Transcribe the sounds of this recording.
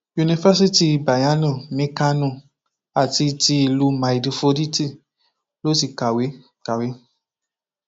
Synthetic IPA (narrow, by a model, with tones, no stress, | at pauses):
ju˧ni˧fa˦si˦ti˧˨ba˨ja˦nũ˧˨mĩ˨˦ka˧nũ˧˨ | a˨ti˧ti˧i˧˨lu˧mã˨i˨di˧fo˧di˦ti˦˨ | lo˦ti˧ka˨we˨˦ | ka˨we˨˦